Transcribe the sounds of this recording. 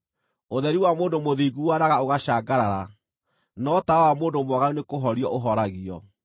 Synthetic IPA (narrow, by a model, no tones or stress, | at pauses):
oðɛɾiwamoːndomoðiɡuwaɾaɣaoɣaɕaːɡaɾaɾa | nɔtawamoːndomwɔaɣaonekoɦɔɾiɔʔoɦɔɾaɣiɔ